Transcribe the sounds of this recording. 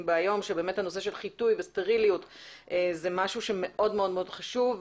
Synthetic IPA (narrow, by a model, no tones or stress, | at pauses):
mbeajo̞mʃebe̞ːmethanos̬e̞ʃe̞lχitujveste̞ʁilijutʔezemaʃuʃeme̞ʔo̞dmeo̞dmeodχaʃuv